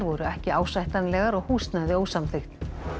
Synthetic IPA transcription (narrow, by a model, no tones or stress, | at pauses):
ɾvɔɾʏɛhcɪaːwsvajht̪anlɛɣaɾɔɣhuːst̪najðɪoːwsamθɪxt̪n